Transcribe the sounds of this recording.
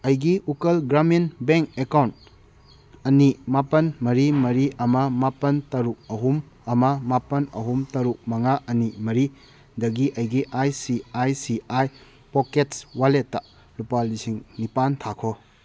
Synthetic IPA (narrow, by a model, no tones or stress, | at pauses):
ɐjɡiukɐlɡɾaminbeŋk̚ekawnt | ɐnimapɐnmɐɾimɐɾiʔɐmɐmapɐntɐɾuk̚ɐɦum | ɐmɐmapɐnɐ̰ɦumtɐɾuk̚mɐŋaʔɐnimɐɾi | dɐɡiʔɐjɡiʔajsiajsiaj | poketswaletːɐ | lupalisiŋnipantʰakʰo